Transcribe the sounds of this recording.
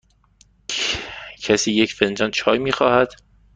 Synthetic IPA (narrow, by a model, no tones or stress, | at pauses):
cʰæsiːjecfend͡ʒɒnt͡ʃʰɒːjmiːxɒːhæd̪̥